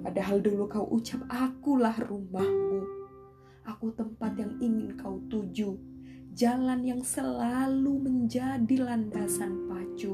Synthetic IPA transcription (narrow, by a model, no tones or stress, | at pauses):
padaɦaldulukaṵʔut͡ʃap̚akulahrumahmu | ʔakut̪əmpat̪jaŋiŋɪnkaut̪ud͡ʒud͡ʒalanjaŋsəlaluməɲd͡ʒadilandasanpat͡ʃu